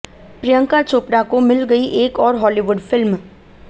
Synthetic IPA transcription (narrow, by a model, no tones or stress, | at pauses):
pɾɪjə̃ŋkat͡ʃoːpɽakomɪlɡəiʔeːkɔːɾɦɔːliʋʊɖfʰɪlm